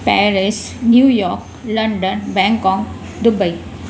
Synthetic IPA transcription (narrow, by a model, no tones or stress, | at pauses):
pɛːɾɪsnjuːjɔːɾk | lɐ̃ɳɖənbɛ̃ːŋkɔ̃ːŋ | d̪ʊbəi